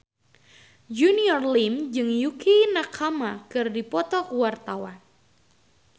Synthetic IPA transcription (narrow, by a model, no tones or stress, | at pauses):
d͡ʒuniɔrlimd͡ʒɨŋjukʰinakʰamakɨrdipɔt̪ɔkəwart̪awan